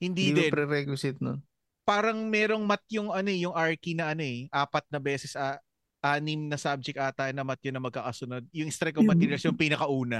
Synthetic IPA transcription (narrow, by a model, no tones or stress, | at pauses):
hɪnd̪iɛnbɾɛɾɛkwɪsɪt̪̚non | paːɾɐŋmɛːɾo̞ŋmɐt̪joŋʔɐno̞ɛjʊŋaɹkinɐʔɐno̞ɛʔaːpɐt̪̚nɐbɛːsɛsʔɐ | ʔaːnɪmnɐsab̚d͡ʒɛkʔaːt̪ajnɐmɐt̪̚jonɐmɐɡ̚kaːkɐsʊnod̪̚jʊŋʔɪst̪ɾɛkoŋmɐt̪iːɾjɐsjoŋpiːnɐkɐʔuːnɐ